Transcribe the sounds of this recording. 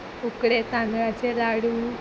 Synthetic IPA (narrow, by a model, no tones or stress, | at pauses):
ukɽet̪ãnɡɡat͡ɕelaɽu